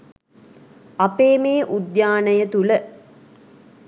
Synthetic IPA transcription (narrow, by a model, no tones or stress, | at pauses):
ɐpeːmeːʔud̪jaːnəjət̪ulə